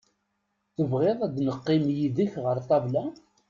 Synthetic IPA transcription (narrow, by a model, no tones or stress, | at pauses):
θəvʁeðˤæd̪nəqːɪmjiðəçʁəɾt̪ˤɑvlæ